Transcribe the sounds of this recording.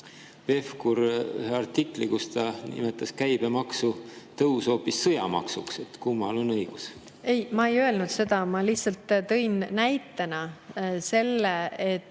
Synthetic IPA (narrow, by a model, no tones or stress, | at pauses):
ve̞fkuɾy̰heɑrt̪ikˑlikust̪ɑnḭmet̪ːˑɑskæjb̥e̞mɑksut̪ɤwso̞ːpːisːɤjɑ̰mɑ̰ksukse̞t̪kumːɑlo̞nɤjɡ̥us | e̞jmɑejø̞e̞lnud̪̥se̞d̪̥ɑmɑliht̪sɑlt̪ːt̪ɤ̞jnnæjt̪ːˑenɑse̞lːeet̪ː